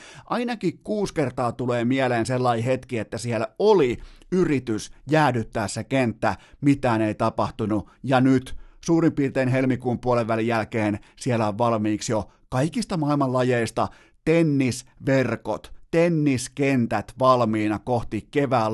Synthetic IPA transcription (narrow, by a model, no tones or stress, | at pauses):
ʔɑinɑkikkuːskert̪ɑːt̪uleːmieleːnselːɑihet̪kiet̪ːæsieloliyrit̪ysjæːdyt̪ːæːssekent̪ːæmit̪æːneit̪ɑpɑht̪unu | jɑnyt̪suːrimpiːrt̪eːnɦelmikuːmpuoleʋʋælijælkeːnsielːæoʋʋɑlmiːksjo | kɑikist̪ɑmɑilmɑlɑjeist̪ɑ | t̪enːisʋerko̰t̪t̪enːiskent̪æt̪ʋɑlmiːnɑkoht̪ikeʋæːl